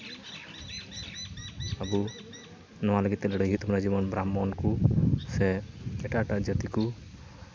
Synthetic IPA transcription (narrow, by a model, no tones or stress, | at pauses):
abu | nɔwaləɡit̪ːɛləɖəjɦut̪ɔmɾad͡ʒibɔnbɾamːɔnkusɛɛʈaʈaʔd͡ʒat̪iku